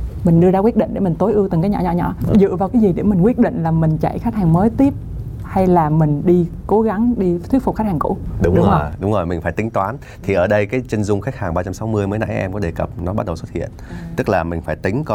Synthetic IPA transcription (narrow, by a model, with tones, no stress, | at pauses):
mï˨˩ŋ̟ɗɨ˧əzaː˧wi˦˥ət̚ɗḭ̈˧˨ŋɗmï˨˩ŋ̟t̪o˨˦jʔɨ˧ət̪ɨ˨˩ŋkaː˨˦jɲɔ̰˧˩ɲɔ̰˧˨ɲɔ̰˧˩˨zɨ̰˧˨vaː˨˩kaː˨˦jzi˨˩ɗe˧˩mï˨˩ŋ̟kwi˦˥ət̚ɗḭ̈˧˨ŋ̟laː˨˩mï˨˩ŋ̟t͡ɕa̰˧˨jxk̚haː˨˩ŋməː˨˦jt̪i˦˥əp̚ | ha˧jlaː˨˩mï˨˩ŋ̟ɗi˧ko˨˦ɣa˨˦ŋɗi˧t̪ʰwi˦˥əfʊ˨˩k͡p̚xa˦˥k̚haː˨˩kṵ˧˥ɗʊ˨˦ɗʊ˨˦ŋ͡mo˨˩jɗʊ˨˦ŋ͡mzo˨˩jmï˨˩ŋ̟faː˧˩t̪ï˨˦ŋ̟t̪waː˨˦n | t̪ʰi˨˩ʔəː˧˩ɗə˧jkaː˨˦jt͡ɕe˧nzʊ˧ŋ͡mxa˦˥jk̚haː˨˩ŋɓaː˧t͡ɕa˧msa˨˦wmɨ˧əjməː˨˦jna̰˧˥ʔɛ̰˧mkɔ˨˦ɗe˨˩kə˨˩p̚nɔ˨˦ɓa˦˥t̚ɗə˨˩wsə˦˥t̚hḭ˧˨ənt̪ɨ˦˥k̚laː˨˩mï˨˩ŋ̟faː˧˩jt̪ï˨˦ŋ̟k